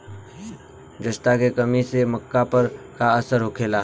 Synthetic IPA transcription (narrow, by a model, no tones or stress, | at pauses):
d͡ʒəʃt̪akekɐmisemɐkːapəɾkaɐsəɾɦokʰeːlaː